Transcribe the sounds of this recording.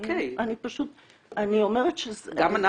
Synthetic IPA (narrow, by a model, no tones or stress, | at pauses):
keanipaʃut̪̚ | anio̞meʁetʃezɡamana